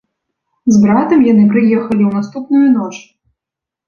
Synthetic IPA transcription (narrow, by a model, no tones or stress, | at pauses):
zbɾat̪ɐmjanɨpɾɨjɛxɐlʲiwnast̪upnujunɔt͡ʂ